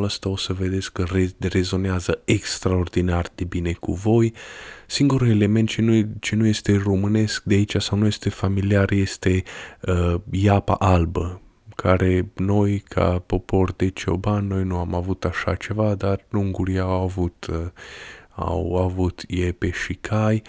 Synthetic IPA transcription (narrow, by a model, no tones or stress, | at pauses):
ləst̪ao̞səve̞d̪e̞t̪skːərere̞zo̞neazəekst̪ɾao̞rd̪inard̪e̞bine̞kṵvo̞jsiŋɡuɾule̞le̞me̞nt̪t͡ʃet͡ʃe̞nuje̞st̪e̞ro̞mɨne̞sk̚d̪eait͡ʃasawnuje̞st̪e̞familiarje̞st̪e̞əjapa̰ʔalbə | kʰaɾe̞no̞jkʰa̰po̞po̞rd̪e̞t͡ʃo̞̰banːo̞jnuamavut̪aʃat͡ʃe̞vad̪arluŋɡuɾiawavut̪ | a̰wavut̪jepeʃikʰaj